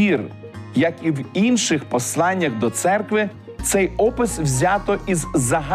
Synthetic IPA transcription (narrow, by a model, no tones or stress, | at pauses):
ir | jɐkiwinʃɪxpɔslˠɑnʲːɐɣd̪ɔt̪sɛrkʋɪ | t̪sɛjɔpɪswzʲɑt̪ɔʔizzɐɦɑ